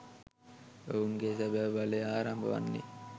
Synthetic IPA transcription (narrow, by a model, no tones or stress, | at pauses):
euŋɡesæbæʋʋaleːaːɾambə̰ʋa̰nːḭ